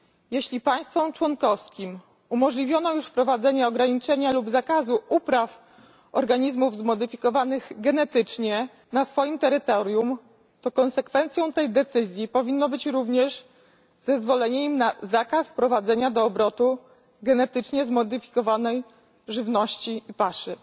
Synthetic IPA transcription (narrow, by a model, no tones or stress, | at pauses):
jeɕlʲipaj̃st̪fɔ̃mt͡ʂwɔnkɔfskʲim | umɔʐlʲivʲjɔnɔjuʂfpɾɔvad̪zɛɲɛɔɡɾaɲit͡ʂɛɲalubzakazuʔupɾaf | ɔɾɡaɲizmuvzmɔd̪ɘfʲikɔvanɘɣɡɛnɛt̪ɘt͡ʂɲɛ | nasfɔjimt̪ɛɾɘt̪ɔɾʲjum | t̪ɔkɔnsɛkfɛnt̪sʲjɔ̃w̃t̪ɛjd̪ɛt̪sɘzʲjipɔvʲinːɔbɘt͡ɕɾuvɲɛʐ | zɛzvɔlɛɲɛimnazakasfpɾɔvad̪zɛɲad̪ɔːbɾɔt̪u | ɡɛnɛt̪ɘt͡ʂɲɛzmɔd̪ɘfʲi̥kɔvanɛj | ʐɘvnɔɕt͡ɕiipaʂɘ